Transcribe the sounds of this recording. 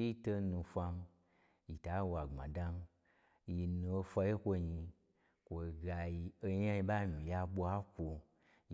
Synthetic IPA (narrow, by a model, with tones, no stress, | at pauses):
i˦to˧nũ˧fʷa˧n˧ | ji˨ta˨˦˧wa˨ŋ͡mã̰˨da˧n˦ | ji˧nũ˧o˧fʷa˧je˦kʷo˧ɲi˧ | kʷo˧ɡa˧ji˧o˧ɲa˦ji˧ba˦˨mĩ˨ja˧ɓo˧a˦kʷo˧